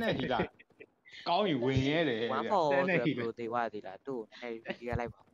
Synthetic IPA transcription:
nɛ˦˨hḭ˦˨la˨ | kã˦ʊ̃jɪ̃˨wɪ̃˨jɛ˦ɾɛ˨wã˨˦˨ɔ˦˨˦nɛ˦˨i˦˨o˨t̪e˨wa̰˦˨d̪i˦˨la̰˨t̪o˦˨o˨na˨nɛ̰˦˨li˦ɡa˦la˦ɪpːa˨u˨

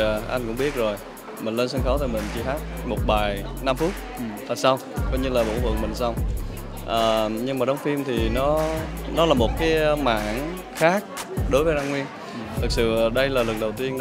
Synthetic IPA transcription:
ʔa˧jŋkʊ̰˧˥ŋ͡mɓi˦˥ət̚zo˨˩j | mï˨˩ŋlə˧nsə˧nxɔ˨˦wt̪aː˧˩mï˨˩ŋ̟t͡ɕi˧˩haː˦˥t̚mo˨˩t̚ɓaː˨˩j | na˧mfu˦˥t̚ | vaː˨˩sa˧w | kɔ˨˦ɲɨ˧laː˨˩ɓo̰˧˥vwə̰˧˨əŋmï˨˩ŋ̟sa˧wŋ͡m | ʔəː˨˩ɲɨ˧ŋmaː˨˩ɗə˨˦wŋ͡mfi˧mt̪ʰi˨˩nɔ˨˦ | nɔ˨˦laː˨˩mo˨˩t̚kaː˨˦jma̰ː˧˨n | xaː˦˥k̚ɗo˨˦jvəː˨˦zaː˧ŋwi˧ən | t̪ʰɨ˨˩k̚sɨ̰˧˨ɗə˧jlaː˨˩lɨ˨˩k̚ɗə˨˩wt̪i˧ən

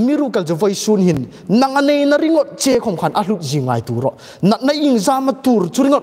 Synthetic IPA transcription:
mi˦ɾu˧kɐ˨ld͡zu˨vɔ˧jsu˧nhi˨nː | ɐ˧ŋʔa˧ne˧jnɐ˧ɾi˦ŋɔ˦t̪̚t͡se˧kʰɔ˨mkʰa˨nʔa˧ɬu˧t̪̚zi˨ŋa̰˨jt̪u˨ɾɔ˨ʔ | nɐ˨t̪̚nɐ˦ji˧ŋzaː˧mɐ˧t̪u˨rt͡su˧˦ɾi˦ŋɔ˦t

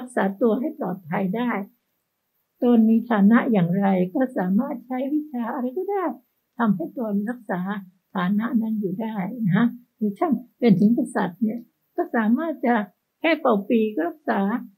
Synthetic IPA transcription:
ɾa˦˥k̚saː˩˦t̪u˧ɐɦa˥˩jplɔː˨˩t̪̚pʰa˧jdaː˥˩j | t̪o˧nmiː˧t̪ʰaː˨˩˦na˦˥ʔjaː˨˩ŋɾa˧jkɔː˥˩saː˩˦maː˥˩t̪̚t͡ɕʰa˦˥jwi˦˥t͡ɕʰaː˧ʔa˧ɾa˧jkɔː˥˩daː˥˩j | t̪ʰa˧mha˥˩jt̪o˧nɾa˦˥k̚saː˩˦t̪ʰaː˩˦na˦˥ʔna˦˥njuː˨˩daː˥˩jna˦˥kʰa˦˥ | u˧˩t͡ɕʰa˥˩npe˧nt̪ʰɯ˨˩˦ŋka˧sa˨˩t̪̚ni˥˩ɐ | kɔː˥˩saː˩˦maː˥˩t̪̚t͡ɕa˨˩ | kʰɛː˥˩pa˨˩wpiː˧kɔː˥˩ɾa˦˥k̚saː˩˦

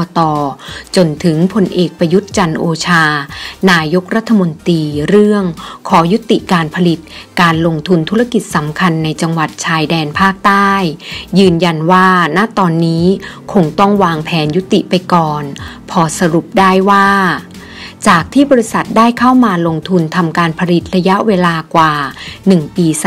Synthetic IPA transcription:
t̪ɔː˧t͡ɕo˧nt̪ʰɯ˩˦ŋpʰo˧nʔeː˨˩k̚pɾa˧ju˦˥t̪̚t͡ɕa˧nʔoː˧t͡ɕʰaː˧naː˧jo˦˥k̚ɾa˦˥t̪ʰːa˧mo˧nt̪iː˧ɾɯ˥˩əŋkʰɔː˩˦ju˦˥t̪ːi˨˩ʔkaː˧npʰa˧li˨˩t̪̚kaː˧nlo˧ŋt̪ʰu˧nt̪ʰu˦˥ɾa˧ki˨˩t̪̚sa˩˦mkʰa˧nːa˧jt͡ɕa˧ŋwa˨˩t̪̚t͡ɕʰaː˧jdɛː˧npʰaː˥˩k̚t̪aː˥˩jːɯː˧nja˧nwaː˥˩naː˥˩t̪ɔː˧nːiː˦˥kʰo˧ŋt̪ɔ˥˩ŋwaː˧ŋpʰɛː˩˦nju˦˥t̪ːi˨˩ʔpa˧jkɔː˨˩n | pʰɔː˧sa˧ɾu˨˩p̚daː˥˩jwaː˥˩ | t͡ɕaː˨˩k̚t̪ʰiː˥˩bɔː˧ɾi˦˥sa˨˩t̪̚daː˥˩jkʰa˥˩wmaː˧lo˧ŋt̪ʰu˧nt̪ʰa˧mkaː˧npʰa˧li˨˩t̪̚ɾa˧ja˦˥ʔweː˧laː˧kwaː˨˩nɯ˨˩ŋpiː˧

